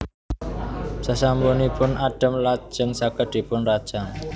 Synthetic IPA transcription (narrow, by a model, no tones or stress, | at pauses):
sasambunipʊnʔaɖ̥ə̤mlḁʒ̥əŋsakəɖ̪̥i̤pʊnrad̥ʒ̥aŋ